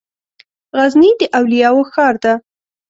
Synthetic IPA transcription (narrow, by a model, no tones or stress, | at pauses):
ɣaznid̪əʔawlijɑwoxɑɾd̪a